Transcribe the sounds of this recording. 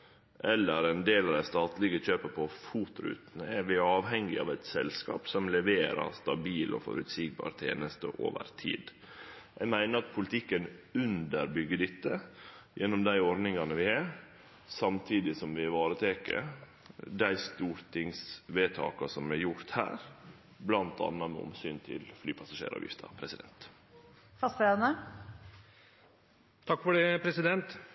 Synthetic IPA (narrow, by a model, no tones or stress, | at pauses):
ʔɛlːəɾɛnd̪eːlɑd̪æɪst̪ɑːt̪lɪɡəçøːpəpʰɔfuːt̪ɾʉ̰ːt̪nəæɾʋɪɑːʋɦɛŋɡɪɑ̰ːʋæɪt̪sɛlskɑ̰ːpsɔmlɛʋeːɾɑ̰ɾst̪ɑbiːlʔɔ̰fɔ̰ɾʉ̰t̪siɡ̚bɑ̰ːɾt̪ʰḛːnəst̪ə̰ʔo̰ːʋə̰ɾt̪ʰḭːd̪ | jæ̰ɪmæɪnəɾɑt̪̚pʰʊlt̪ʰɪkːənʉnd̪əɾbʏɡːəɖ̪ɪt̪ːəjɛnːɔmd̪æɪɔɾnɪŋɑnəʋɪhɑɾ | sɑmt̪ʰiːd̪ɪsɔmʋɪʋɑːɾət̪ʰeːkə̰ | d̪æɪst̪uːɾt̪ʰɪŋsʋeːt̪ʰɑ̰ːkɑsɔmɛjʊɾt̪hæ̰ːɾ | blɑnt̪ʰɑ̰nːɑmɛ̰ʊ̰msyːnt̪ʰɪ̰lflyːpʰɑsɑʂḛːɾɑ̰ːʋjɪ̰ft̪ʰɑ̰pʰɾɛsɪd̪ɛ̰nt̪ | fɑst̪ːnə | t̪ʰɑkːfɔɖeːpʰɾɛsɪd̪ɛnt̪